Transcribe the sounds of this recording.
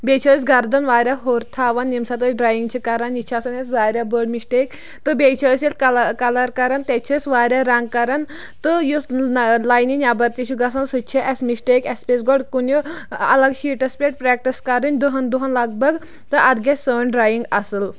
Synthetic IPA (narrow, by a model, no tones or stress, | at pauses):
bʲet͡ʃʰɐsɡɐɾd̪ɐnʋaːɾʲjaɦoːɾt̪ʰaːʋɐnːimsɐt̪̬əɖɾaːjiŋɡt͡ʃʰikɐɾanjit͡ʃʰɐsɐnɐsʋaːɾʲabəːɖmisʈek | t̪ɨbʲet͡ʃʰɐsjelkɐlkɐlɐɾkɐɾant̪et͡ʃʰɐsʋaːɾʲaɾaŋɡ̚kɐɾan | t̪ɨjuslaːjninʲjabɐɾt̪ʲit͡ʃʰuɡɐsɐnsɨt͡ʃʰiʔɐsmisʈekespʲesɡɔɖkunʲjuɐ̰lɐɡʃiːʈɐspʲeʈ̚pɾɛːk̚ʈiskɐɾɨnʲd̪ɨɦɐnd̪uɦɐnlɐɡ̚bɐɡ | t̪ɨʔɐt̪ɡʲessəːnɖɾaːjiŋɡɐsɨl